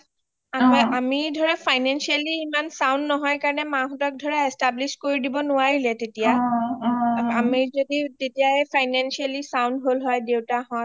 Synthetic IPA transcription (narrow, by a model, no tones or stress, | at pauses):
amamidʱɔɹɛpʰajnansialiːmansawndnɔɦɔjkaɹɔnɛmãɦutɔk̚dʱɔɹɛɛstabliskoɹidibɔnʊwaɹilɛtetija | amizoditetijaɛpʰajnansialisawndɦolɦɔjdewtaɦɔ